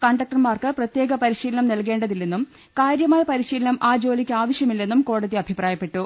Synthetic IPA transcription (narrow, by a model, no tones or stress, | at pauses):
kɐɳɖɐk̚ʈɐrmaːrkɨprɐt̪je̞ːɡɐpɐɾiɕiːlɐɳɐmnɐlke̞ːɳɖɐðilːenːum | kaːɾjɐmaːlpɐɾiɕiːlɐnɐmʔaːd͡ʑo̞ːlikʲːɨaːʋɐɕjɐmilːe̞nːumko̞ːɽɐðiɐbʱipraːjɐpːe̞ʈːu